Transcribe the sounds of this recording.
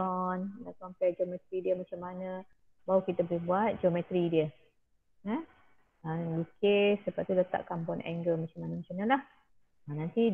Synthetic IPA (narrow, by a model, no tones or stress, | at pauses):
ɔndakɔmpɛd͡ʒomɛt̪ɾidiəmat͡ʃamanə̃ | baukit̪əbəlɪhbuat̪̚d͡ʒomɛt̪ɾidiə | ə | əlukesəpaʔ̚t̪udət̪a̰ʔkampɔnɛ̰ŋɡəmat͡ʃamanəmat͡ʃanalah | ənant̪i